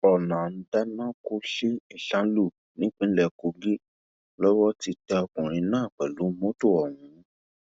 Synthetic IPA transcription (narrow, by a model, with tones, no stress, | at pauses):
ɔ˨nã˨n̩˦da˦nã˦ko˦ʃe˦i˦˨ɬã˦lu˦˨ | nĩ˨˦k͡pĩ˨˦lɛ˦˧ko˧˦ɡe˦ | lɔ˦wɔ˦ti˧tɛ˧ɔ˧kũ˨ɾ̃ĩ˧nãː˦˨k͡pɛ˨lu˨˦mõ˦to˦˨ɔ˨hũ˨˦